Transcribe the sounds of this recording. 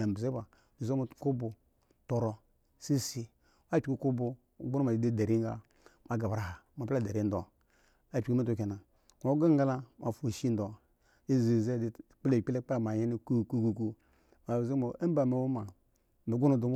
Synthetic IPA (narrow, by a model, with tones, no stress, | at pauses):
a˨m˨bze˦ba˨i˨zo˦mu˨ku˦bu˨ | to˨ɾɔ˨ | si˦si˦ | m˦a˦t͡ʃi˨ku˦ku˦bu˨ | ɡu˦nu˦ma˨i˨˦di˦da˨ɾi˦ŋ˦a̰˦ | ma˨ɡa˨bɾa˨ha˨ma˨˦a˦˨da˨ɾi˦n˦dɔ˨ | a˨t͡ʃi˦mi˦tu˨ke˨na˨ | ma˨˦ɡa˦ŋɡa˦la˦mʔa˨fu˨ʃi˦n˦dɔ˨ | i˦zi˨ze˦di˨k͡ple˨k͡pi˦le˦k͡pa˦˨ma˨je˦ni˦ku˦˨ku˦ku˨ku˦ | ma˨zi˦mo˨e˦m˦ba˨me˨wu˦ma˨ | mi˨ɡu˦nu˦du˨m˦